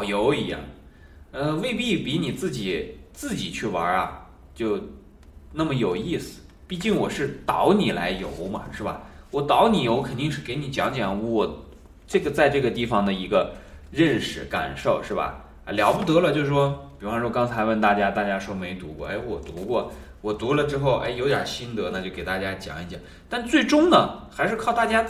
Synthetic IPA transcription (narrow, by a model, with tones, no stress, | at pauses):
ʊjo˧˥ʊi˧˥jɑ̰˥˩ŋ | ə˥˧we˥˧ɪpi˥˩pi˧˥ni˨˩t͡sɹ̩˥˩t͡ɕi˨˩t͡sɹ̩˥˩t͡ɕi˨˩t͡ɕʰy˥˩wɐ̰˧˥ɐ̰˧ | t͡ɕjo˥˧ʊ | na˥˩mə˩jo˨˩ʊi˥˩sɹ̩̥˨˩ | pi˥˧t͡ɕi˥˩ŋwɔ˨˩ʂɻ̩˥˩t̪ɑ˧˥ʊni˨˩la˧˥ɪjo̰˧˥ʊmɐ̰˨ʂɻ̩˥˩bɐ̰˩wɔ˨˩t̪ɑ˧˥ʊni˨˩jo˧˥ʊkʰə˨˩nt̪i˥˧ŋʂɻ̩˥˩ke˧˥ɪni˨˥t͡ɕjɑ˧˥ŋt͡ɕjɛ˨˩n˥˩wɔ˨˩ | ʈ͡ʂɤ˥˩ɡə˩t͡sa˥˧ɪʈ͡ʂɤ˥˩ɡə˩t̪i˥˩fɑ˩ŋd̪ə˩i˧˥ɡə˧ɻə˥˩˧nʂɻ̩˧˥ka̰˨˩nʂo˥˩ʊʂɻ̩˥˩bɐ̰˩˧ | ljɑ˧˥ʊpu˥˩t̪ɤ˧˥lə˧t͡ɕjo˥˧ʊ˧˩ʂwɔ˥pi˨˩ɻu˥fɑ˥˩ʂwɔ˥kɑ˥ŋt͡sʰa˧˥ɪwə˥˩nt̪a˥˩t͡ɕja˥t̪a˥˩t͡ɕja˥ʂwɔ˥me˧˥ɪt̪u˧˥kwɔ̰˥˩ʔe˥˩ɪwɔ˨˩t̪u˧˥kwɔ˥˩ | wɔ˨˩t̪u˧˥lə˨ʈ͡ʂɻ̩˥xo˥˩ʊʔḛ˥ɪjo˧˥ʊt̪ja̰˨˩ɕi˥nt̪ɤ˧˥na˥˧t͡ɕjo˥˩ʊke˨˩ɪt̪a˥˩t͡ɕja˥t͡ɕjɑ̰˨˩ŋi˥ɕjɑ̰˨˩˦ŋ | t̪a˥˧nt͡swe˥˩ɪʈ͡ʂʊ˥ŋd̪ə˨xa˧˥ɪʂɻ̩˥˧kʰʊt̪a˥˩t͡ɕja˥